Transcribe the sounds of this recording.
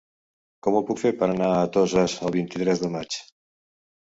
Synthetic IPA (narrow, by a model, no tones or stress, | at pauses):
kɔmupukfeɾpəɾanaːt̪ozəzəβ̞int̪it̪ɾɛzðəmat͡ʃ